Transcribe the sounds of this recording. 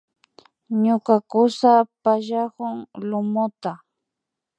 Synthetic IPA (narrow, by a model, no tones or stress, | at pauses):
ɲʊkakʊsapaʒahʊŋlʊmʊt̪a